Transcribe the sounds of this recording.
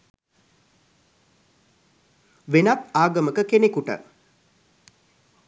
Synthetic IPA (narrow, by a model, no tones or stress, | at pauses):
ʋenat̪aːɡəməkəkenekuʈə̰